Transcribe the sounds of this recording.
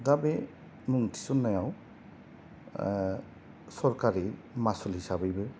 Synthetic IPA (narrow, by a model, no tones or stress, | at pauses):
ɡabe | muŋtʰi̥sunːajaw | sɔɾkaɾimasulhisabɯjbɯ